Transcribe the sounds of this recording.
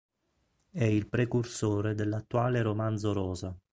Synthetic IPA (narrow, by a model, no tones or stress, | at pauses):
ɛilpɾekursoːɾed̪elːat̪ːuaːleɾomand̪zoɾɔːza